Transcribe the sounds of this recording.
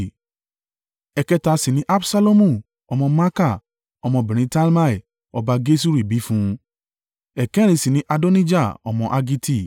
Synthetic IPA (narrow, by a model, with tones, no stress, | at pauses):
ɛ˨kɛ˧ta˧si˨nĩ˨˦ʔa˦bsa˦lo˦mũ˦˨ | ɔ˧mɔ̃˧ma˦ka˦˨ | ɔ˧mɔ̃˧˨bĩ˨ɾ̃ĩ˧˦ta˦lma˦i˨ | ɔ˧ba˧ɡe˦s̬u˦ɾi˨bi˨˦fũ˦ | ɛ˨kɛ̃˦ɾ̃ĩ˨˧si˨nĩ˦ʔa˧do˦nĩ˦d͡ʒa˦˨ɔ̰˨mɔ̃˧ʔa˧ɡi˦ti˦˨